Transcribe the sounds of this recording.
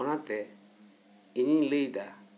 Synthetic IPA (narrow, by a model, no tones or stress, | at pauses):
ɔnat̪ɛ | iɲiŋlejd̪a